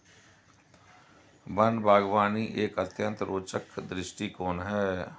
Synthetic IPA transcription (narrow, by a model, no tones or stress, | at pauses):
bənbʱaːɡʋaːniːʔeːkət̪ʰjə̃nt̪ɾoːt͡ʃəkd̪ɾɪsʈiːkoːnɦɛː